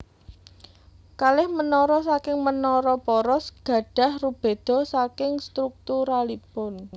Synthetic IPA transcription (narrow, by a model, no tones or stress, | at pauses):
kalɪhmənɔɾɔsakɪŋmənɔɾɔpɔɾɔsɡ̥ä̤ɖ̥ä̤hrub̥e̤d̪̥ɔ̤sakɪŋst̪ɾuk̚t̪uɾalibɔn